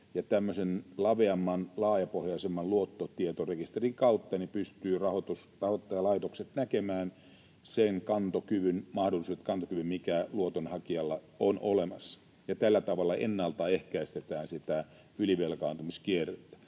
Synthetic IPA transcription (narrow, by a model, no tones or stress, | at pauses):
jɑt̪æmːøsenlɑʋeɑmːɑnlɑːjɑpohjɑisemːɑlluot̪ːot̪iet̪orekist̪eriŋkɑut̪ːɑnipyst̪yːrɑhot̪usrɑhot̪ːɑjɑlɑit̪okset̪nækemæːn | seŋkɑnt̪okyʋynmɑhdolːˑisuet̪kɑnt̪okyʋymmikæluot̪onhɑkiɑlːɑ | onʔolemɑsːɑ̥ | jɑt̪ælːæt̪ɑʋɑlːɑʔḛnːɑlt̪ɑehkæist̪et̪æːnsit̪æ | yliʋelkɑːnt̪umiskierːet̪ːæ̥